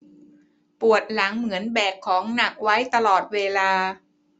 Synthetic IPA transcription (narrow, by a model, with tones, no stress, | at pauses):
pu˨˩ət̪̚la˩˦ŋmɯ˩˦ənbɛː˨˩kʰːɔː˩˦ŋna˨˩k̚wa˦˥jt̪a˧lɔː˨˩t̪̚weː˧laː˧